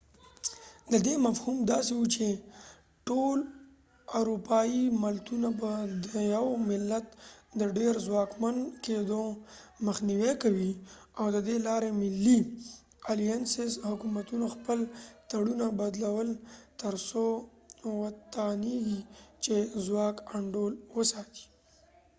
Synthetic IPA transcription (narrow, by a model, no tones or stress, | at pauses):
d̪əd̪emafhumd̪ɑsewut͡ʃe | ʈol | aɾupɑimalt̪unabad̪əjawmɪlːat̪d̪əɖeɾzwɑkmanked̪oməxniwekawi | awd̪əd̪elɑɾemɪlːi | alijansɪshʊkumat̪unoxpəlt̪aɽunabad̪lawəlt̪əɾso | wat̪ɑneɡit͡ʃezwɑkaɳɖolwəsɑt̪i̥